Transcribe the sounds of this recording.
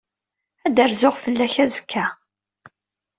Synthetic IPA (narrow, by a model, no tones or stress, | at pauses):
æd̪əɾzʊʁfəlːæçæzəkʰːæ